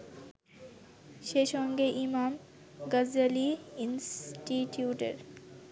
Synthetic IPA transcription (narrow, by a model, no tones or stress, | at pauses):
ʃeʃɔŋɡeʔimam | ɡazaliinsʈiʈiuʈḛɾ